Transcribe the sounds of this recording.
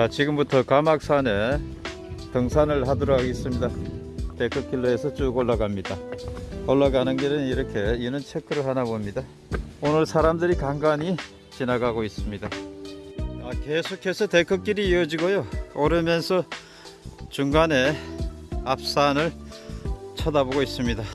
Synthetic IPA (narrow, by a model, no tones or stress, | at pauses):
t͡ɕat͡ɕiɡɯmbutʰʌkamak̚s͈ʰane̞ | tɯŋsʰanɯɭhadʌɾʌɡaɡes͈ɯmɲida | te̞k͈ʰɯk͈iɭːoe̞sʰʌt͡ɕuɡoɭːaɡamɲida | ʌɭːaɡanɯnɡeɾɯniɾʌkʰe̞inɯnt͡ɕʰekʰɯɾɯɭɦanabomɲida | onɯɭsʰaɾamdɯɾikaŋɡaɲi | t͡ɕinaɡaɡois͈ɯmɲida | ake̞sʰokʰe̞sʰʌt̪ek͈ʰɯk͈iɾiːʌd͡ʑiɡojoːɾɯmjʌnsʰʌ | t͡ɕuŋɡane̞ | ap̚s͈anɯɭ | t͡ɕʰʌdaboɡois͈ɯmɲida